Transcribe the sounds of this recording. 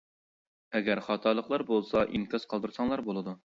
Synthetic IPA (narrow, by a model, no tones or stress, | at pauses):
ɛɡʲæɾχɑt̪ʰɑɾlˠəqlˠɑɾbolˠsɑʔiŋkɑz̥qʰɑlˠd̪uɾsɑŋlˠɑɾbolˠɨd̪u